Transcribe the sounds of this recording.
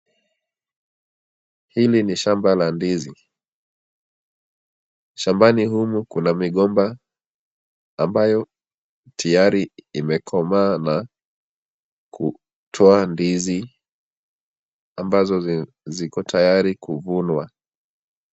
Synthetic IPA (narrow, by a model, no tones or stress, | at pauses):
hiliniʃambalandizi | ʃambanihumukunamiɠɔmba | mbajɔ | tʰijaɾiːmɛkʰɔmaːna | kṵ | tʰɔandizi | ambazɔ | zikɔtʰajaɾikuvunwa